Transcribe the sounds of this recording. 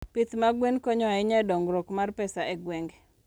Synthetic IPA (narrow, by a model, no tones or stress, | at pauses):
pit̪maɡwenkɔɲɔɛɲɛdɔŋɡɾokmarpɛsaɛɡweŋɡ